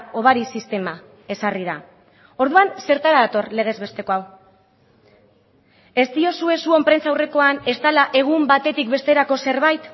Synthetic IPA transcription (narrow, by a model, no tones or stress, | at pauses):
o̞βaɾisist̪e̞ma | e̞sarið̞a | o̞ɾðuanse̞ɾt̪aɾaðat̪o̞rle̞ɣ̞e̞zβe̞st̪e̞ko̞aw | e̞st̪io̞sue̞suo̞mpɾe̞nt͡sawre̞ko̞ane̞st̪alaʔe̞ɣ̞umbat̪e̞t̪ikbe̞st̪e̞ɾako̞se̞ɾβ̞ajt̪